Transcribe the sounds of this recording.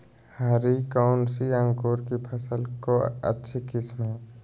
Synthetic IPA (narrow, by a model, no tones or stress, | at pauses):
haɾikaʊnsiə̃ŋkoːɾkipʰəsəlkoə̰tːʃʰikɪsmɦẽ